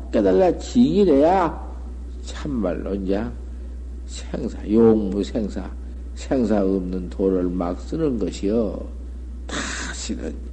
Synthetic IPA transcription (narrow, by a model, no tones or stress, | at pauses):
k͈edalːat͡ɕiŋiɾeja | t͡ɕʰamːa̰lːond͡ʑa | sʰeŋsʰajoŋbusʰeŋsʰa̰ | sʰeŋsʰaɯmnɯntʰoɾɯɭmak̚s͈ɯnɯnɡʌɕʰiʌ | ta | ɕʰiɾɯ̰n